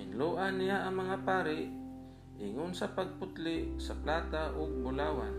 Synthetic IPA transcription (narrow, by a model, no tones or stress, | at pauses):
ɪnluːʔanːɪjaʔɐŋmɐŋapaːɾɪʔ | ʔɪŋʊnsapaɡ̚pʊt̪lɪʔsaplaːt̪aʔʊɡ̚bʊlaːwan